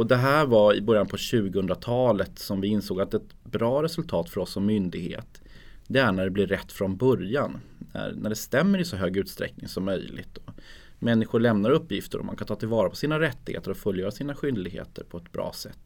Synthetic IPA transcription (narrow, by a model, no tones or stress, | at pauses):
ɔd̪ɛɦæːɾvaɪbœɾjanpʰɔɕʉ̟ːɡəhɵnd̪ɾat̪ʰɑːlət̪sɔmvɪɪnsoːɡat̪ːɛt̪ | bɾɑːɾɛsɵlt̪ʰɑːt̪fœɾɔsːɔmːʏnd̪ɪɡhḛːt̪ | d̪ɛæɳæɖɛblɪɾːɛt̪ːfɾɔnbœɾjan | næ̰ɾnæɖɛst̪ɛmːəɾɪsɔɦøːɡʉ̟ːt̪st̪ɾɛ̰knɪ̰ŋsɔmːœjlɪ̰t̪ɔ̥ | mɛnːɪɧʊɾɭɛmnaɾɵpːjɪft̪əɾɔ̰ma̰nkʰant̪ʰɑːt̪ʰɪlvɑːɾapʰɔ̥siːnaɾɛt̪ːɪhḛːt̪əɾɔfɵljœːɾasiːnaɧʏnd̪lɪɡhḛːt̪ə̰ɾpʰɔɛt̪bɾɑ̰ːsɛt̪ː